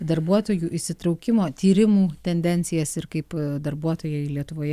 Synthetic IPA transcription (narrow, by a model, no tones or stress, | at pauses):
d̪ɐɾbuɔt̪oːjuːʔɪʃsʲɪt̪ɾɒʊkʲɪmoːt̪ʲiːɾʲɪmuːt̪ʲɛnʲd̪ʲɛnʲsʲɪjɛsɪɾkɐɪpd̪ɐɾbuɔt̪oːjɛɪlʲiɛt̪ʊʋoːjɛ